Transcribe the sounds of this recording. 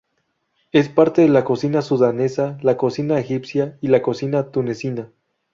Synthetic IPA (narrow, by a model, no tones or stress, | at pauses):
e̞spaɾt̪e̞ðe̞lako̞sinasuðane̞salako̞sinaexipsjailako̞sinat̪une̞sina